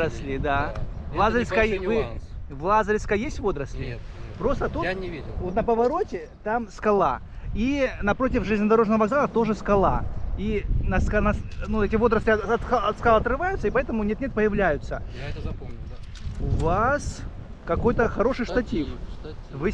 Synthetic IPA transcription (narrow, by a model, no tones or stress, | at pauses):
əsʲlʲɪd̪avlˠazɾʲɪskavɨvlˠazəɾʲɪskəjesʲtʲvo̞d̪ɾəsʲlʲɪpɾo̞st̪ət̪ovot̪nəpəvɐɾo̞tʲɪ | t̪amskɐlˠa̰ | inɐpɾo̞tʲɪfʐɨzʲnʲəd̪ɐɾo̞ʐnəvəvɐɡzalˠət̪o̞ʐɨskɐlˠa̰inɐskanɐnuɛtʲɪvo̞d̪ɾəsʲlʲɪɐt̪ɐt̪skalˠɐt̪ɾɨvajʊt̪səipɐɛt̪əmʊnʲenʲet̪̚pəjɪvlʲæjʊt̪sə | ʊvas | kɐko̞jt̪əxɐɾo̞ʂɨjʂt̪ɐtʲifvɨ